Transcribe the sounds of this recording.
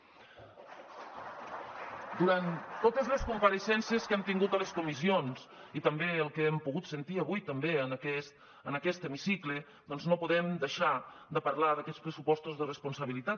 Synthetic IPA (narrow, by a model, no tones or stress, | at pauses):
d̪uɾant̪ːot̪əzləskumpəɾəsɛnsiəskɛmt̪iŋɡut̪ələskumisionsit̪əmbeəlˠkeɛmpuɣut̪sənt̪iəβujt̪əmbeənkɛst̪ | ənəkɛst̪əmisiklə | d̪ɔnznopuðɛmd̪əʃa | d̪əpəɾlaðəkɛtspɾəsupɔst̪uzðərəspunsəβ̞ilit̪at̪